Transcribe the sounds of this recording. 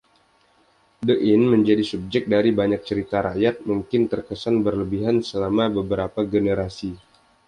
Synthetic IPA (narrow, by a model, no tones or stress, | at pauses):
dəʔɪnməɲd͡ʒadisub̚d͡ʒɛk̚daɾibaɲak̚t͡ʃəɾit̪aɾaʔjat̪̚muŋkɪnt̪ərkəsanbərləbiɦansəlamabəbəɾapaɡenəɾasi